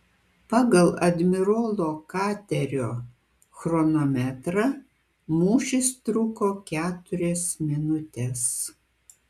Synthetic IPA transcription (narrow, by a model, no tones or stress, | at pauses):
pɑːɡɐlˠɐd̪ʲmʲɪɾoːlˠoːkɑːt̪ʲɛɾʲoː | xɾɔnomʲæt̪ɾɐ | muːʃʲɪst̪ɾʊkoːkʲæːt̪ʊɾʲɛsmʲɪnʊt̪ʲɛs